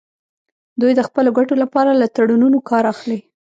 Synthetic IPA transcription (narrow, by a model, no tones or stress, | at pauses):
d̪ujd̪əxpəloɡaʈolapɑɾalat̪aɽununokɑɾaxli